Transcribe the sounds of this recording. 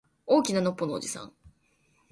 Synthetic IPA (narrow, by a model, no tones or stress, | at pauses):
o̞ːkʲinano̞pːo̞noo̰d͡ʑisã̰ŋ